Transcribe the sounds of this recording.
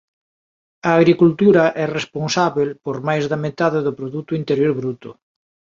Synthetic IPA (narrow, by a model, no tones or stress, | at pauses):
ɐːɣɾikult̪uɾɐʔɛresponsaβelpoɾmajzðɐmet̪aðɪðʊpɾoðut̪ʊint̪eɾjoɾβɾut̪ʊ̰